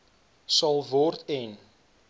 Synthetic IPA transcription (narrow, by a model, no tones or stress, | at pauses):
sɐlˠvɔrtɛn